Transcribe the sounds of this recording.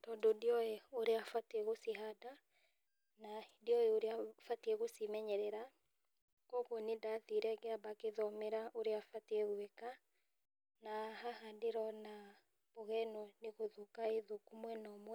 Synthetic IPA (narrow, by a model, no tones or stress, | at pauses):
tɔndodiɔɛoɾeafateɣosiɦada | nadiɔeoɾeafateɣosimɛɲɛɾɛɾa | kɔɣonedaðiɾɛɣeabakeðɔmɛɾaʔoɾeafateɣwɛka | nahahadeɾɔna | βoɣɛnɔneɣoðukaeðukumwɛnɔmwɛ